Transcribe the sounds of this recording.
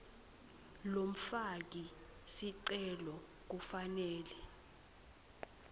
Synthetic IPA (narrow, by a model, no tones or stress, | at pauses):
lom̩fak̬isiǀɛlɔ | k̬ufanɛːlɛ